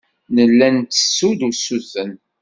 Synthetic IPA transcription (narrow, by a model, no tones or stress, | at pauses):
nəlːænt̪ːə̥sːud̪usuθən